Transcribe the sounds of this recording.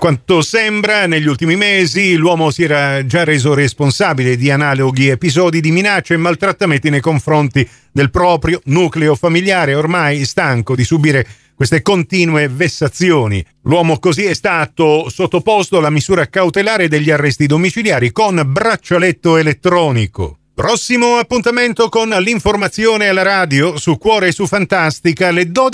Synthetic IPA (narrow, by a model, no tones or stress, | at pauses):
kwant̪osɛmbɾaneʎːult̪imimeːzilwɔːmosiɛːɾad͡ʒareːzoɾesponsaːbiled̪ianaːloɡiepizɔːd̪id̪iminat͡ʃːeːmːalt̪ɾat̪ːament̪inejkoɱfɾont̪i | d̪elpɾɔːpɾjonuːkleofamiljaːɾeormajɛst̪aŋkod̪isubiːɾe | kwest̪ekont̪iːnwevesːat̪sːjoːnḭ | lwɔːmokoziɛst̪aːt̪osot̪ːopost̪oalamizuːɾakawt̪elaːɾed̪eʎːiarːɛst̪id̪omit͡ʃiljaːɾikonbɾat͡ʃːalet̪ːoelet̪ːɾɔːniko̰ | pɾɔsːimoapːunt̪ament̪okonliɱformat̪sːjoːnealːaɾaːd̪josukːwɔːɾesufant̪ast̪ikaled̪ɔːd̪